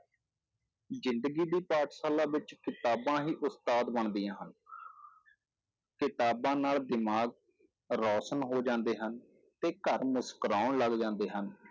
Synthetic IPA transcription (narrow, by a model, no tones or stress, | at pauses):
zɪnd̪ɡiːd̪iːpaːʈʰsaːlãːʋɪt͡ʃkɪt̪aːbãːɦiːʔʊst̪aːd̪bəɳd̪ijãːɦən | kɪt̪aːbãːnaːld̪ɪmaːɡ | ɾɔːsənɦoːd͡ʒãːnd̪eːɦən | t̪eːkəɾmʊskəɾaːɳləɡd͡ʒãːnd̪eːɦən